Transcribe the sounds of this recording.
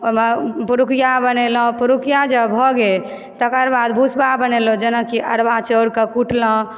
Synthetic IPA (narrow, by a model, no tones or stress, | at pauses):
omepuɾukʰijabənelə̃puɾukʰijad͡ʒəbʱɔɡe | t̪əkəɾbad̪bʱusbabənelõd͡ʒənəkiʔəɽbat͡ʃəɾkəkuʈlə̃